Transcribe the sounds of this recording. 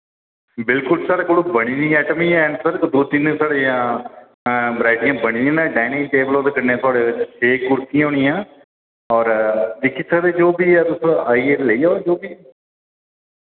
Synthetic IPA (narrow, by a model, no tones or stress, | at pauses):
bɪlkʊlsaːɽeːkoɽubəɽ̃iːnĩːɛːʈəmiːɛːnsəɾkd̪oːt̪insaːɽeːãː | bɾaːɪʈɪjãːbəɽ̃iːnːãːnɛ̃ːɖɛːnɪ̃ʈeːbəloːd̪ekənẽãːt̪ʰʊaːɽeːɪt͡ʃsʰeːkʊɽk̪ijãːɦoːɳĩjãː | ɔːɾd̪ɪkʰːit͡ʃʰaːd̪eːd͡ʒoːbiːɛːd̪ʊsõaːieləiːaːd͡ʒoːbiː